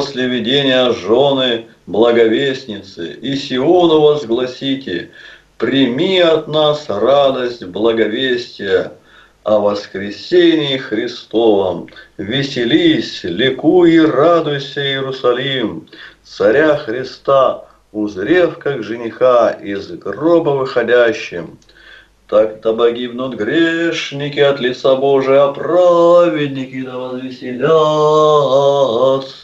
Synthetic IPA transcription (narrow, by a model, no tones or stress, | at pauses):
posʲlʲɪvʲɪdʲenʲɪjəʐonɨ | blˠəɡɐvʲesʲnʲɪt̪sɨ̰isʲɪoonʊvəzɡlˠɐsʲitʲɪ | pɾʲɪmʲiɐt̪nasrad̪əsʲtʲblˠəɡɐvʲesʲtʲɪjə | ɐvəskɾʲɪsʲenʲɪːxɾʲɪst̪ovəmvʲɪsʲɪlʲisʲlʲɪkuirad̪ʊjsʲəiɪɾʊsɐlʲimt̪sɐɾʲaxɾʲɪst̪a | ʊzɾʲefkaɡʐɨnʲɪxaizɡrobəvɨxɐdʲæɕːɪm | t̪akd̪əpɐɡʲibnʊt̪ɡɾʲeʂnʲɪkʲɪɐt̪lʲɪt̪saboʐɨjɐpravʲɪdʲnʲɪkʲɪd̪əvəzvʲɪsʲɪlʲa | t̪